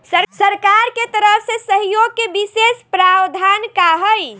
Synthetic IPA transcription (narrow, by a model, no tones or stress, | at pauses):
səɾsəɾkaɾket̪əɾəɦsesəɦjoɡ̚kebisespɾawd̪ʱankaɦəj